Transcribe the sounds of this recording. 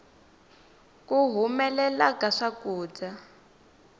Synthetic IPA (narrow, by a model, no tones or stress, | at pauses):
kuɦumɛlɛlakaʂakuːd͡za